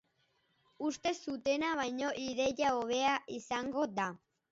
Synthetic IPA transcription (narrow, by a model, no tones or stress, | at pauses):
ust̪e̞sut̪e̞naβ̞ajɲo̞ʔiðe̞jaoβe̞aʔisaŋɡo̞d̪a